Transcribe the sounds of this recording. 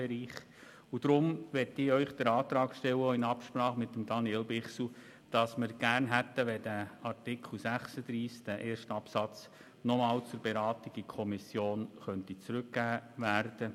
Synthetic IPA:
beɾiːχ | ud̥ɾʊmʋɛtɪœʏχd̥̪əɾɑːt̪ɾɑːkʃtɛwəoɪnɑpʃprɑːχmɪt̪ːəmd̥ɑniɛlbɪχsl̩ | d̥ɑsməɾɡ̥æːrnɦæt̪ːəʋɛdæɑrtɪkʰl̩ˠsæχsəd̥̪ɾiːskd̥æʔeːɾʃtɑpsɑt͡s | nɔmɑːlt͡sʊɾbeɾɑːtiɡ̥əkʰɔmisjoːnχœntit͡sɾʉkɡæːʋærd̥ə

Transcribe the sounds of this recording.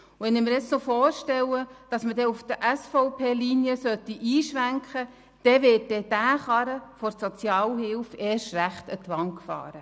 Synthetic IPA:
uʋɛnɪmɪɾjɛt͡snɔfɔːrʃtɛwəd̥ɑsmədɛufd̥əʔæsfɔʊpʰeːliniəsœt̪ːiʔiːʃʋæŋkχə | d̥ɛʋɪːt̚dɛd̥æːχɑɾəfɔɾsɔt͡sjɑːlɦɪlfeːʃtræχt̪ətʋɑŋkfɑ̰ːɾə

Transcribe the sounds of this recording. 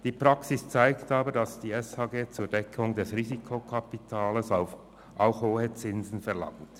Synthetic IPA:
d̥iːpʁ̥ɑksɪst͡saɪktaːbədɑsd̥iːɛshaːɡeːt͡suːɐdɛkʰʊŋdɛsʁiːzikʰokʰapitʰaːləs | ʔaʊxhoːhət͡sɪnzn̩fɛɐlɑ̰ŋt

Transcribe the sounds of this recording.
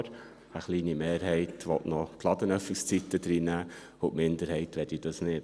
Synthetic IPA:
ɾ | əχliːnimeːɾɦɛɪtʋɔtnɔkʰlɑd̪ənœfɪkst͡sitːəd̪ɾiːnæː | ʊʔmɪnd̪əɾhɛɪtʋɛdid̥ɑsnɪt

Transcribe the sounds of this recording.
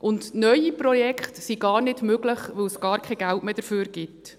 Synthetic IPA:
ʔʊndnœjipɾɔjɛkχtsiɡɑːɾnɪdmøɡləχʋɪwsɡ̥ɑːɾkʰɛɡæltmeːd̥̪əɾfyːɾɡɪt

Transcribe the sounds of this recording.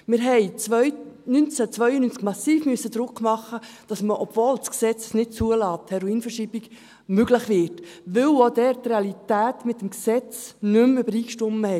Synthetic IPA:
mɪɾɦɛɪt͡sʋœʏnynt͡sət͡sʋœʏənynt͡sɡ̥mɑsiːfmyəsːəd̪ɾʊkːmɑχːəd̥ɑsməʔɔb̥voːlsksɛt͡ssnɪt̚t͡suəlɑːthɛɾoiːnfəɾʃiːbiɡ | møɡləχʋɪɾtʋɪwod̪ɛɾtreɑlitæːtmɪt̪ːəmksɛt͡snʏmybəɾiːkʃtʊməhɛ

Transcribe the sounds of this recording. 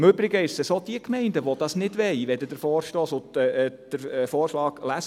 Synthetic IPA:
mʉbɾɪɡəɪʃsəsod̪iəkmɛɪndəʋod̥̪ɑsnɪdʋɛɪʋɛdədəɾfɔːɾʃtɔːsʊd̥əɾfɔːɾʃlɑːɡlæs

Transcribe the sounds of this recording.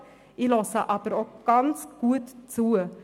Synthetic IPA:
ʔilɔsəʔɑbəɾɔk̚ɡ̥ɑnsɡ̥uːt̪t͡suːə

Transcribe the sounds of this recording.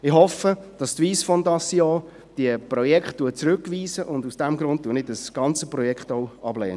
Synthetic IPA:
ɪχhɔfəd̥ɑstviːsfɔndɑsjɑː | d̥iəprɔjɛkχtːuət͡sɾʉkʋiːzəʔʊndusd̥ɛmɡɾʊnt̚tuːnɪdəsɡ̥ɑnt͡səprɔjɛkχtɔwɑblɛːnə

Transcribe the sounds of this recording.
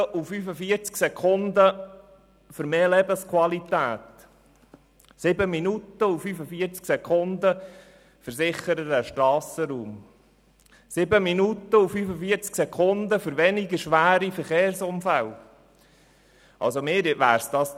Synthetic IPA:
ʔufyːfəfiːəɾt͡sksɛkʰʊnd̪ə | fʏɾmeːlɛbəskʰwɑlit̪æːt̪ | sɪbəminut̪ːəufyːfəfiəɾt͡sksɛkʰʊnd̪ə | fəɾsɪχəɾədæʃtɾɑːsəɾuːm | sɪbəminut̪ːəufyːfəfiəɾt͡sksɛkʰʊnd̪əfʏɾʋɛnɪɡəʃʋæːɾifəɾχeːɾsʊmfæl | ɑ̰lsomɪːɾʋæ̰ːɾsd̥̪ɑːs

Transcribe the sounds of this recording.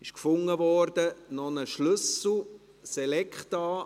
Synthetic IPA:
ɪʃkfʊŋːəvɔɾdənɔnəʃlʏsl̩ˠ | sɛlɛkχtɑː

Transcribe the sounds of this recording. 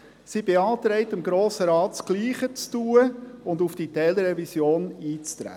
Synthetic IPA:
sibeɑːt̪ɾɛɪtɪmɡɾoːsəɾɑːtsɡ̥liːχət͡stuːəʊndufd̥itɛːləɾɛvisjoːniːt͡st̪ɾæ̰ː

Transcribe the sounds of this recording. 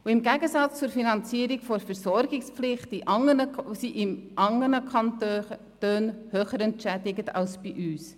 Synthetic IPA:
uɪmɡæɡəsɑt͡st͡sʊɾfinɑnt͡siːəɾɪkfɔɾfɛɾsɔɾɡɪkspflɪχtiʔɑŋənəsiʔɪmʔɑŋːənəkʰɑntø | tøːnhøːχəɾɛntʃɛdɪɡətɑ̰lsb̥iʔyːs

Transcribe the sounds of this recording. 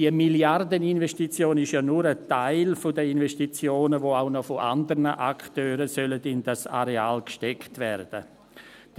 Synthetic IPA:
iəmiljardəninvɛsʃtit͡sjoːnɪʃjaːnuːɾətaɪlfʊdəinvɛʃtit͡sjoːnəvoːaʊnɔfoʔandəɾnəʔaktøːɾəsœlədɪndasa̰ɾeaːlkʃtɛktvɛɾd̥ə̰ | d̥

